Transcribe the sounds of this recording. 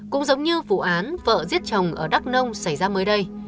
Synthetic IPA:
kʊ̰˧˥ŋ͡mzə˨˦wŋ͡mɲɨ˧vṵ˧˨ʔaː˨˦nvə̰ː˧˨zi˦˥ət̚t͡ɕə˨˩wŋ͡mʔəː˧˩ɗa˦˥k̚nə˧wŋ͡msa˧˩jzaː˧məː˨˦jɗə˧j

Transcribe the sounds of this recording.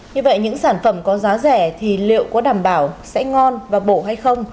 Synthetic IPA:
ɲɨ˧və̰˧˨jɲɨ̰˧˥ŋsaː˧˩nfə˧˩mkɔ˨˦zaː˨˦zɛ˧˩t̪ʰi˨˩lḭ˧˨əwkɔ̰˧˥ɗaː˧˩mɓaː˧˩wsɛ̰˧˥ŋɔ˧nvaː˨˩ɓo˧˩ɦa˧jxə˧wŋ͡m

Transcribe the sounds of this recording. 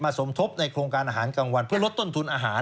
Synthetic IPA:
maː˧˩so˩˦mt̪ʰo˦˥p̚na˧jkʰɾoː˧ŋkaː˧nʔaː˧ɦːnka˧ŋwa˧npʰɯ˥˩ɐlt̪ːo˥˩nt̪ʰu˧nʔaː˧ɦaː˩˦

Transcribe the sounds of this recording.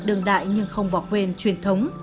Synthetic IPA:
ɗɨ˨˧˩əŋɗa̰ː˧˨jɲɨ˧ŋxə˧wŋ͡mɓɔ˨˦kwe˧nt͡ɕwi˨˩ənt̪ʰə˨˦wŋ͡m

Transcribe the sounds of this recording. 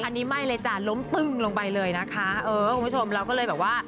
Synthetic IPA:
ʔa˧nːiː˦˥ma˥˩jlɤː˧jt͡ɕa˨˩lo˦˥mt̪ɯ˨˩ŋlo˧ŋpa˧jlɤː˧jna˦˥kʰa˦˥ʔɤː˧˩˥kʰu˧mʰ˦u˥˩o˧mɾa˧wkɔː˥˩ɤː˧jbɛː˨˩p̚waː˥˩

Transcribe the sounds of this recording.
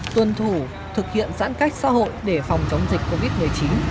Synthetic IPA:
t̪wə˨˩nt̪ʰu˧˩ | t̪ʰɨ˨˩k̚hḭ˧˨ənsa̰ː˧˥nka˦˥jk̟̚sa̰ː˧˥ɦo̰˧˨jɗe˧˩fa˨˩wŋ͡mt͡ɕə˨˦wŋ͡mzi˨˩k̟̚ʲko˧vi˦˥t̚mɨ˨˩əjt͡ɕi˨˦n

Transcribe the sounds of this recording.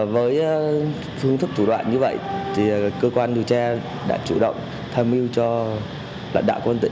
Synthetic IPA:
vəː˨˦j | fɨ˧əŋt̪ʰɨ˦˥k̚t͡ɕu˧˩ɗwa̰ː˧˨nɲɨ˧və̰˧˨jt̪ʰi˨˩kəː˧kwaː˧nɗi˨˩əwt͡ɕaː˧ | ɗa̰ː˧˥t͡ɕu˧˩ɗə̰˧˨wŋ͡m | t̪ʰaː˧mʔi˧wt͡ɕɔ˧ | la̰ː˧˨j̚ɗa̰ː˧˨wkwə˧nt̪ḭ˧˨

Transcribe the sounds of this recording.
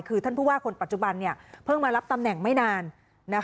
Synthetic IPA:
jkʰɯː˧t̪ʰa˥˩npʰuː˥˩waː˥˩kʰo˧npa˨˩t̪̚t͡ɕu˨˩ba˧nːi˥˩ɐpʰɤ˥˩ŋmaː˧ɾa˦˥p̚t̪a˧mnɛ˨˩ŋma˥˩jnaː˧nː | a˦˥k

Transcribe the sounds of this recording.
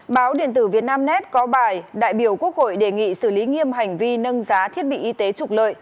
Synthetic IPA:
ɓaː˨˦wɗḭ˧˨ənt̪ɨ˧˩vi˨˩ət̚naː˧mnɛ˦˥t̚kɔ˨˦ɓaː˨˩jɗa̰ː˧˨jɓi˧˩əwku˦˥ək̚ho̰˧˨jɗe˨˩ŋḭ˧˨sɨ˧˩li˨˦ŋi˧əmɦa˨˩jŋ̟vi˧nə˧nzaː˨˦t̪ʰi˦˥ət̚ɓḭ˧˨ʔi˧t̪e˨˦t͡ɕʊ˨˩k͡p̚lə̰ː˧˨jʔ

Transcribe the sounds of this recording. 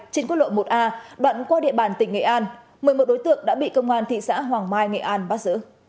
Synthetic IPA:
t͡ɕe˧nku˦˥t̚lo̰˧˨mo˨˩t̚ʔaː˧ɗwa̰ː˧˨nkwaː˧ɗḭ˧əɓaː˨˩nt̪ï˨˩ŋ̟ŋḛ˧˨ʔaː˧n | mɨ˨˩əjmo˨˩t̚ɗo˨˦jt̪ɨ̰˧˨əŋ̚ɗa̰ː˧˥ɓḭ˧˨kə˧wŋ͡mʔaː˧nt̪ʰḭ˧˨sa̰ː˧˥ɦwaː˨˩ŋmaː˧jŋḛ˧˨ʔaː˧nɓaː˦˥t̚zɨ̰˧˥

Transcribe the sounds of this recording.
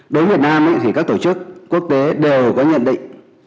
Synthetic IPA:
ɗo˨˦nvət̚naː˧ma̰˧˨t̪ʰi˧˩kaː˦˥k̚t̪o˧˩t͡ɕɨ˦˥kːu˦˥ək̚t̪e˨˦ɗe˨˩wkɔ˨˦ɲə̰˧˨nɗḭ˧˨ŋ

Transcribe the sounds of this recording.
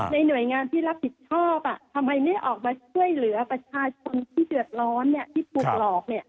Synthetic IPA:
na˧jnu˨˩əjŋaː˧nt̪ʰiː˥˩ɾa˦˥p̚pi˨˩t̪̚t͡ɕʰɔː˥˩p̚a˨˩ʔt̪ʰa˧mha˧jma˥˩jʔɔː˨˩k̚maː˧t͡ɕʰu˥˩əjlɯ˩˦ɐpɾa˧t͡ɕʰaː˧t͡ɕʰo˧nt̪ʰiː˥˩dɯ˨˩ət̪̚ɾɔː˦˥nːi˥˩ɐt̪ʰiː˥˩p̪ʰuː˨˩k̚lɔː˨˩k̚ni˥˩ə

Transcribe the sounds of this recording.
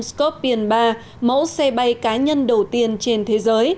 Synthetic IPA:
skɔ˦˥t̚ɓi˨˧˩ənɓaː˧ | mə̰˧˥wsɛ˧ɓa˧jkaː˨˦ɲə˧nɗə˨˩wt̪i˧ənt͡ɕe˧nt̪ʰe˨˦zəː˨˦j

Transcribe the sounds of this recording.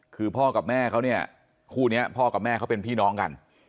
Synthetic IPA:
kʰɯː˧pʰɔː˥˩ka˨˩p̚mɛː˥˩kʰa˦˥wni˥˩ɐ | kʰuː˥˩ni˦˥ɐpʰɔː˥˩ka˨˩p̚mɛː˥˩kʰa˦˥wpe˧npʰiː˥˩nɔː˦˥ŋka̰˧n

